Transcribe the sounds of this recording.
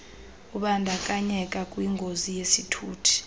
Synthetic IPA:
uɓandʱakʼaɲɛkʼakʼwiŋɡʱozijesitʰuːtʰi̥

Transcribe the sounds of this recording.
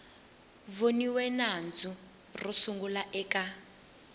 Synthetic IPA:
voniwɛnand͡zu | rusuŋɡulaʔɛːka

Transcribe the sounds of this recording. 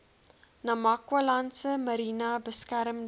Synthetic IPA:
nɐmakwɐlansəmɐɾiːnabəskæɾəm

